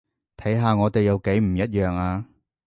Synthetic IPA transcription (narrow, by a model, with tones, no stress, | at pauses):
t̪ʰɐ˨˥jɦaː˨˧ŋɔː˨˧t̪e˨jɐ˨˧wke˨˥jm̩˨˩jɐ˥t̚jœː˨ŋaː˧